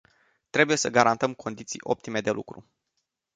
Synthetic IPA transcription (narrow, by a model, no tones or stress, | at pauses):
t̪ɾe̞buje̞səɡaɾant̪əmkʰo̞nd̪it̪sḭjʔo̞̰p̚t̪ime̞d̪e̞lṵkɾṵ